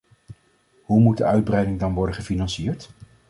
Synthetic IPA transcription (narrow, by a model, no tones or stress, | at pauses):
ɦumud̚dəœɥd̚brɛjdɪŋdɑnʋɔɹdəχəfinɑnsiːɹt